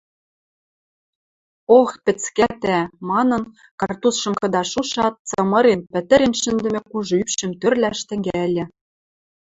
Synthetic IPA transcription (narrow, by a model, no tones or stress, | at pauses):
oxpɘ̆t͡skæt̪æmɑnɤ̆n | kɑrt̪usʃɤ̆mkɤ̆d̪ɑʃuʃɑt̪̚t͡sɤ̆mɤ̆ɾempɘ̆t̪ɘ̆ɾenʃɘ̆nd̪ɘ̆mɘ̆kuʒɤ̆ypʃɘ̆mt̪ørlæʃt̪ɘ̆ŋɡælʲɘ̆